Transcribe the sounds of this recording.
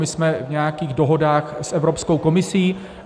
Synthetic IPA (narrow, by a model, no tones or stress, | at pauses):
mɪsmɛvɲɛjakiːɣdo̞ɦo̞daːxsʔɛvɾopsko̞wko̞mɪsiː